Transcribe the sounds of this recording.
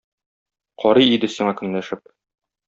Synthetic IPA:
qʰɒɾɤjid̪ɘsiɴɑkɵ̆nlæʃɘp̚

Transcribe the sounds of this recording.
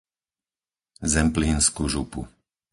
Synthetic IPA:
zɛmpliːnskuʒupṵ

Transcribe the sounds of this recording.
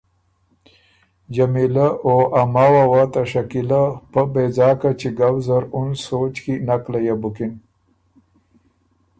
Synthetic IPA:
d͡ʒamilaoʔamawawat̪aʂakilapəbezɑːkat͡ʃiɡawzaɾʊnsot͡ʃkinaklajabʊkin

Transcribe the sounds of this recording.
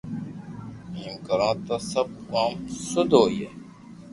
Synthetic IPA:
iːmkəɾãːt̪aːsəb̚aːmsʊd̪ʱoːjeː

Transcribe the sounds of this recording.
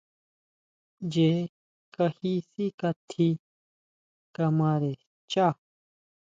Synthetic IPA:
d͡ʑe | kɐhisikɐt̪ʰi | kɐmaːɾe | t͡ɕa

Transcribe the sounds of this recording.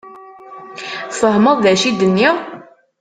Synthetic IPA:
fəɦməðˤðæʃid̪ənːiʁ

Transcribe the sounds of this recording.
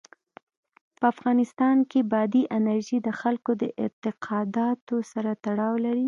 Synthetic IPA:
pəafɣɑnɪst̪ɑnkebɑd̪iʔɪnaɾʒid̪əxalkod̪əʔɪ̰nt̪ɪqʰɑd̪ɑt̪osaɾat̪aɽɑwlaɾi

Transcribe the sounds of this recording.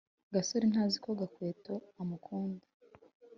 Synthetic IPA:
ɡasoɾin̥haːzikoɡakweːtoamukʰuːnda

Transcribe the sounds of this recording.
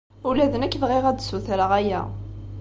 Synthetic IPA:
ulæðənækːvʁeʁæd̪suθæɾəʁæjæ̰

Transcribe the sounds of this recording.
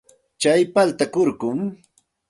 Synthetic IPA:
t͡ʃajpalt̪akʊɾkʊŋ

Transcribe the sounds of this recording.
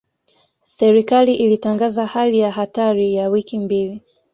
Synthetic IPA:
sɛɾikaliʔilitaŋɡazahalijaɦataɾijawikimbili

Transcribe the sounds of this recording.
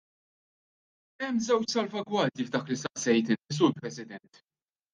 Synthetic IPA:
ɛmːzɛwt͡ʃsɐlvɐɡwɐːd̪jivd̪ɐːklisɐʔsɛjt̪ɪnɪs̬ʊɾpɾɛsɪd̪ɛnt̪

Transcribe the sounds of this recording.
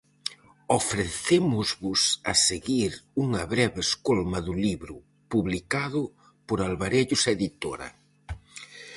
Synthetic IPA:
ofɾeθemʊzβʊsɐseɣiɾuŋɐβɾɛβɪeskolmɐðʊliβɾʊ | puβlikaðʊ | pʊɾalβaɾeʎʊseðit̪o̰ɾɐ̰

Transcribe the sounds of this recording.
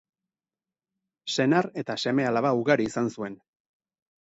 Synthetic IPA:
se̞naɾe̞t̪ase̞me̞alaβauɣaɾiːsansue̞n

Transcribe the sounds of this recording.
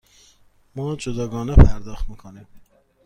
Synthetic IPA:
mɒːd͡ʒod̪ɒːɡɒːnepʰæɾd̪ɒːxt̪miːkʰoniːm

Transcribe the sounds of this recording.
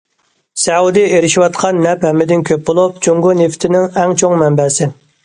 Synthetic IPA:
sɛud̪ieɾɪʃiwɑt̪̚qʰɑnːɛphɛmːɪd̪ɪnkʲʰøp̚bolˠup̚t͡ʃʰoŋɡʊneft̪ʰɪnɪŋɛŋt͡ʃʰoŋmɛmbɛsɪ

